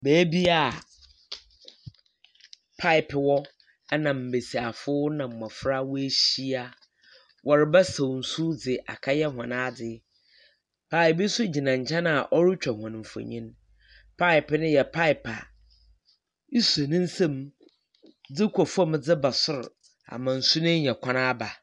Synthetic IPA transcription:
bæː˨˦bi˦a˨ | pʰa˦ɪ˨pʰɪ˨wɔ˦ | nã˨m̩˨be˨si˨a˨fʊ˦nã˨m̩˨mã˨fɾa˦wʊ˦e˦ɕi˦a˦ | wʔɔ˨ɾɪ˨bɛ˦sa˨wn̩˨su˦d͡zɪ˨ʔa̰˨kʰa˦jɛ˦ɦã˨nãː˦dɪ˦ | pʰa˦ɪ˨bɪ˦sʊ˦d͡ʑi˨nã˨ɲ̩˨t͡ɕʰɛ̃˦nã˦˨ʔɔ˦ɾɪ˦t͡ɕᶣɛ˨hã˨n̩˨fɔ̰˨ɲĩ˦n | pʰa˦ɪ˨pɪ˨nʊ̃˦jɛ˨pʰa˦ɪ˨pʰa˨ | i˦su˨e˨nɪ̃˦n̩˦sã˦m | d͡zɪ˦kʷʰɔ˨fɔ˦m˦d͡zɪ˦ba˨sʊ˦ɾ | a̰˨mã˨n̩˨sʊ˦nɪ̃˦ɲɛ̃˨kʷʰa˦nã˦ba˨

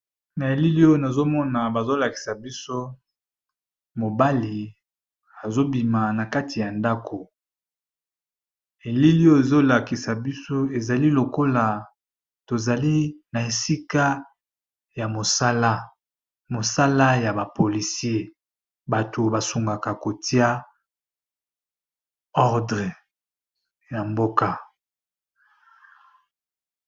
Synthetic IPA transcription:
na˨e˨li˦li˦o˦na˨zo˦mɔ˦na˨ba˨zo˦la˨ki̥˨sa˨bi˦so˦ | mo˨ba˦li˨ | a˨zo˦bi˨ma˨na˨ka˦ti˨ja˨nda˦kʰo˨ | e˨li˦li˦o˦e˨zo˦la˨ki˨sa˨bi˦so˦e˨za˨li˦lo˨ko˦la˨ | to˨za˨li˦na˨e˨si˦ka˦ | ja˨mo˨sa˦la˦ | mo˨sa˦la˦ja˨ba˨po˨li˨si˦e˦ | ba˨to˨ba˨su˨ŋɡa˨ka˨ko˨ti˦a˦ | ɔ˦ʁdʁɛ˨ | ja˨mbo˦ka˦

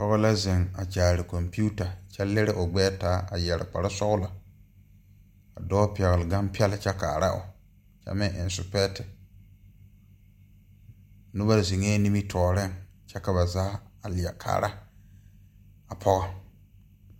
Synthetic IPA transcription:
pɔ˦ɣa˦la˦zɪ˨ŋa˨t͡ʃaː˨ɾɪ˨ko˨mpi˦u˦ta˨t͡ʃɛ˦le˦ɾɪ˦ʔo˨ɡ͡bɛː˦taː˨˦a˨jɛ˨ɾɪ̰˨k͡pa˨ɾa˦sɔ˦ɣʊ˦la˨ | a˨dɔː˦pi˨ɛ˨ɣɪ˨lɪ˨ɡa˦mpi˦ɛ˦lt͡ʃɛ˦kaː˨ɾa˦ʔo̰˨ | t͡ʃɛ̰˦mɪ˦ŋʔɪ̰˨nsʊ˨pɛ˦tɪ˨ | nʊ˦ba˦zi˨ŋeː˦ni˦mi˦tʰɔː˨ɾɪ˦ŋt͡ʃɛ˦ka˨βa˨zaː˦a˨lɪ˨a̰˨kʰa̰ː˨ɾa˦ | a˨pʰɔ˦ɣa˦

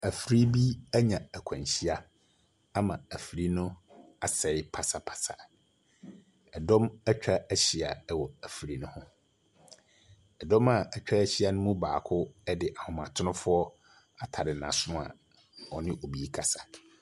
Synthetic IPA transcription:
æ˨fɾi˦bi˦æ˦ɲã˨æ˨kʷʰã˨ɲɕi˦a˦ | a˦mã˨æ˨fɾi˦nʊ̃˦ | a˨sɛ˨ɪ˦pʰa˨sa˨pʰḁ˨sa̰˨ | ɛ˨dɔ̃˦mæ˦t͡ɕᶣa˦æ˦ɕi˨a̰˨ɛ˦wɔ˨æ˨fɾi˦nʊ̃˦hʊ̃˦ | ɛ˨dɔ̃˦ma˨æ˨t͡ɕᶣa˦æ˦ɕi˦a˦nʊ̃˦mũ˦ba̰ː˨kʰʊ˦ɛ˦dɪ˨ʔa˨hʊ̃˨mã˨tʰʊ˦nʊ̃˦fʊ˦ɔ˦ | a˨tʰa˨ɾɪ˨nã̰˨sʊ˦nʊ̃˦a̰˨ | ɔ˨nɪ̃˦ʔo˨bi˨i˦kʰa˨sḁ˨

